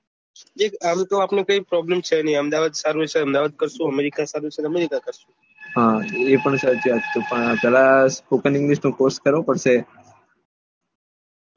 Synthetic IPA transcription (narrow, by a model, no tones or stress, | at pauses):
d͡ʒeamt̪õapnukəipɾɔblemt͡ʃʰeniəmd̪aʋad̪saɾut͡ʃʰeəmd̪aʋad̪̚kəɾʃũəmeɾikãsaɾut͡ʃʰeəmeɾikakəɾʃũ | ɦãepəɳsat̪ʰiat̪opəɳpɛlaspokənĩŋɡliʃnũkoɾskəɾʋopəɽʃe